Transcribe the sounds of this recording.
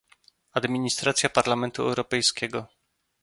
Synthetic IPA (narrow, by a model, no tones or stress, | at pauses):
ad̪mʲiɲist̪ɾat̪sʲjapaɾlamɛnt̪uɛ̰wɾɔpɛjskʲɛɡɔ